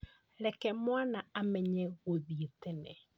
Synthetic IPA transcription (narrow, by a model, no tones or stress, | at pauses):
ɾɛkɛmwanaamɛɲɛɣoðietenɛ